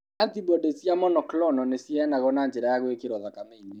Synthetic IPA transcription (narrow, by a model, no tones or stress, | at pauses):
antibɔdesjamɔnɔklɔnɔnesjɛnaɣɔnaːɲd͡ʒɛɾajaɣwekeɾɔðakameine